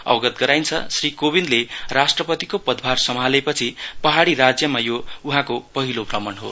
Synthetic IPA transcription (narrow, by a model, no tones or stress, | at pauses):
ʌ̰wɡʌt̪ɡʌɾajnt͡sʰʌ̰srikobinlerasʈrʌpʌt̪ikopʌd̪ʱbʱarsʌmɦalepʌt͡sʰipʌɦaɽiɾad͡zjʌmajouɦãkopʌɦiloprʌmʌɳɦo̰